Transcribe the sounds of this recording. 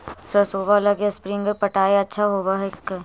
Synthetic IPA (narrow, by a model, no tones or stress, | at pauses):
səɾsoːbalɐɡaspɾɪ̃ŋɡəɾpɐʈaːeɐtːʃʰaɦoːbaɦekː